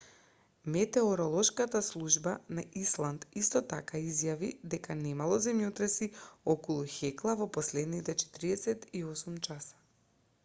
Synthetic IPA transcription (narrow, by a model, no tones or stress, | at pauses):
mɛt̪ɛɔɾɔlˠɔʃkat̪aslˠuʒbanaʔislˠant̪ist̪ɔt̪akaizjavid̪ɛkanɛmalˠɔzɛmjot̪ɾɛsiɔkɔlˠuxɛklˠavɔpɔslɛd̪nit̪ɛt͡ʃɛ̥t̪ɾiɛsɛt̪iɔsumt͡ʃasḁ